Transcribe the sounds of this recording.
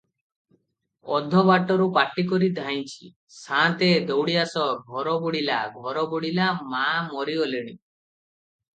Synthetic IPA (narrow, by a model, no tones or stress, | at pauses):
ɔd̪ʱɔbaʈɔɾupaʈik̬ɔɾid̪ʱajt͡ʃʰi̥̰ | sãt̪ed̪ɔwɽiasɔɡʱɔɾɔbuɽilaɡʱɔɾɔbɔɽilamamɔɾiɔleɽ̃ḭ